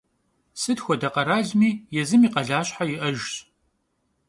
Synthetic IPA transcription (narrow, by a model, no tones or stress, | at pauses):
sɨdxʷɔdɐqɐɾaːɮmiːjɛzɨmiːqɐɮaːɕħajɪʔɐʒɕ